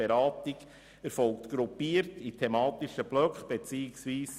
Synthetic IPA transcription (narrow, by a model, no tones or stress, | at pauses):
eɾɑːtik | æɾfɔlktɡ̥ɾupːiːəɾtitʰɛmɑːt̪iʃəb̥lœkχb̥et͡siːɪksʋiːs